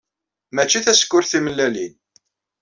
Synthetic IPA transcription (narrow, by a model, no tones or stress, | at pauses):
mæt͡ʃːiθæskːʊɾθiməlːælin